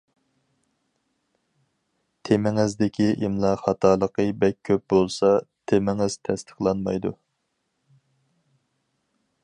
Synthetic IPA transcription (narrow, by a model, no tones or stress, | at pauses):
t̪ʰemɪŋɪzd̪ɪkʲʰiʔimlˠɑχɑt̪ʰɑlˠəqʰəbɛk̚ʲʰːøp̚bolˠsɑt̪ʰemɪŋɪz̥t̪ʰɛst̪ʰə̥χlˠɑnmɑ̰jd̪ṵ